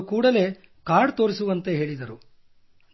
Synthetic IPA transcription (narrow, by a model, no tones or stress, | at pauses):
kuːɽɐle̞ | kaːɖt̪o̞ːɾisuʋɐnt̪e̞ɦe̞ːɭid̪ɐɾu